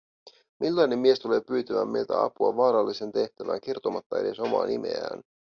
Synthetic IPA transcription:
milːɑjne̞mːmie̞st̪ule̞ːpyːt̪æʋæmːelt̪æ̰ɑ̰puɑ̰ʋɑːɾɑlːise̞nt̪e̞ht̪æʋæ̰ːŋk̟ert̪o̞mɑt̪ːɑede̞so̞mɑ̰ːnimḛæ̰ːn

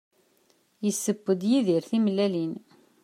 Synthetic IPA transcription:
jəsːəbːəd̪jiðiɾθimlælin

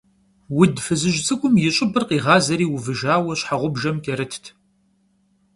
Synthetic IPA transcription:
wʊdfɨzɨʒt͡sʼɨkʷʼʊmjɪɕʼɪbɨrqiːʁɑːzɐɾiːwʊvɨʒaːwɐɕħaʁʷʊbʒɐmkʲʼɐɾɨtʰtʰ

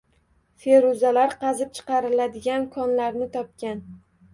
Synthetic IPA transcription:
fe̞ɾʊzalaɾqʰɑzɪp̚t͡ʃʰɨ̥qɑɾɪlad̪ɪɡʲankʰɒnlaɾnɪt̪ʰɒp̚kʲan

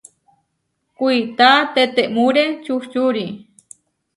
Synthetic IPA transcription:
kuit̪at̪et̪eʔmuɾet͡ʃuht͡ʃuɾi

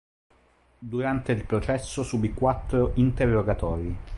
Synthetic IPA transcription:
d̪uɾant̪eilpɾot͡ʃɛsːosuːbikwat̪ːɾoʔint̪erːoɡat̪ɔːɾi

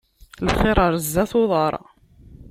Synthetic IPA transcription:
lχɪɾˤɑɾˤzːæθoðˤɑɾˤ

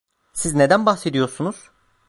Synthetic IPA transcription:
sizne̞d̪ænbaxse̞d̪ijo̞ɾsunuz̥

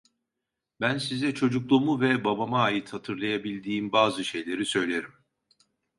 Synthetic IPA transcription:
bænsizɛt͡ʃʰo̞d͡ʒuklˠumuvɛbabamaːjit̪hat̪ʰɯɾlˠajabilʲd̪iːmbaːzɯʃe̞jlʲe̞ɾisø̞jlʲe̞ɾim

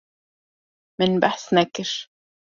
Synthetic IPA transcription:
mɪnbaħsnækːɪʃ

